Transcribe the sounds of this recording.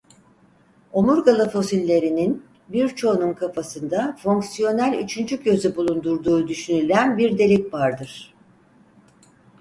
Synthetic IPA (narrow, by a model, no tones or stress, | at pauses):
o̞muɾɡalˠɯfo̞silʲːe̞ɾinin | biɾt͡ʃʰo̞nunkʰafasɯnd̪afo̞ŋksijo̞nælʲyt͡ʃʰynd͡ʒyɟø̞zybulˠund̪uɾd̪uːd̪yʃynylʲænbiɾd̪e̞lʲicvaɾd̪ɯɾ̥